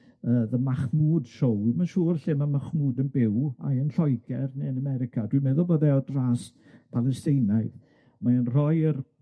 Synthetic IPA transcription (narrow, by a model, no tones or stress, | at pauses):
əːðəmaχmuːd̥ʃowimanʃuːrɬɪmamaχmuːdənbɪwa̰ənɬɔjɡɛrneənamɛɾɪkʰadwimɛðʊlˠboːðɛɔdraːs | pʰalˠɛstejnajð | maənr̥ɔjər